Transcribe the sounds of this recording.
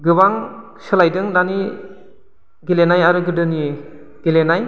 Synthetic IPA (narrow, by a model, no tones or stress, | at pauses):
ɡɯbaŋ | sɯlajdɯŋdani | ɡilenajaɾɯɡɯdɯni | ɡ̥ilenaj